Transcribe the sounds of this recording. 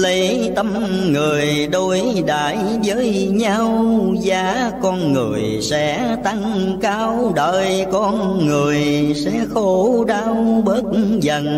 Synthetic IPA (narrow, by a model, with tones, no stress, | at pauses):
lə˨˦j | t̪ə˧m | ŋɨ˨˩əjɗo˧jɗaː˨˩˦j | zəː˨˦jɲa˧wzaː˨˦kɔ˧nŋɨ̰˨˩əj | sɛ̰˧˥˦ | t̪a˧ŋkaː˧wɗəː˨˩jkɔ˧nŋɨ˨˩əjsɛ̰˧˥xo˧˦ɗaː˧wɓəː˦˥t̚zə˨˩n